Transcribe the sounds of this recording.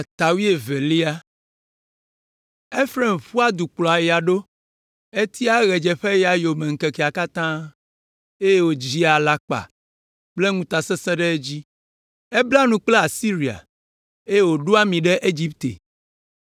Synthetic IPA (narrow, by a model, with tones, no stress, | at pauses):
t̪a˨wi˦e˨ve˨li˦a˦ | e˦fɾe˦˨mɸu˦a˦d̪u˨k͡plɔ˨a˨je˨a˨ɖo˦ | e˦t̪i˦a˦ɣɛ˨d͡ʒɛ˨ɸe˦ja˨jo˨mɛ̃˨ŋ̩˨kɛ˨kɛ˨a˨ka˦t̪ã˦ | e˦je˦wo˨d͡ʑi˦a˨la˨k͡pa̰˨ | k͡ple˦ŋũ˦t̪a˨sɛ˦sɛ̃˦ɖɛ˦e˦d͡ʑi˦ | e˦bla˦nũ˨k͡ple˦a˨si˦ɾi˨a̰˨ | e˦je˦wo˨ɖo˦a˦mĩ˨ɖɛ˦ʔe˦d͡ʑi˦p̚t̪ḛ˨